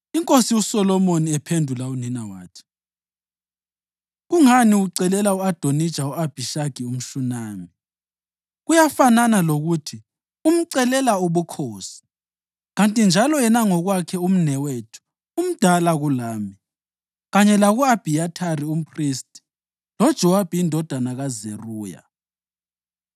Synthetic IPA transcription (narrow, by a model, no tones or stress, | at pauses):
iŋkʼosiusɔlɔmoniɛpʰendʱulauninawa̰ːtʰi̥ | ɣuŋaniuǀɛlɛlauad̥ʱonid̥ʒ̥ʱauab̥ʱiʃaɡ̥ʱium̩ʃunaːmi | ɣujafananaloɣutʰi | um̩ǀɛlɛlauβukʰoːsi̥ | ɣantʼind͡ʒʱalɔɛnaŋɔɣwakʰɛum̩nɛwetʰu̥ː | m̩d̥ʱalaɣulaːmi | ɣaɲɛlaɣuab̥ʱiatʰarium̩pʰristʼi̥ | lɔd̥ʒ̥ʱɛwab̥ʱiindʱɔd̥ʱanaɣazeruːja̰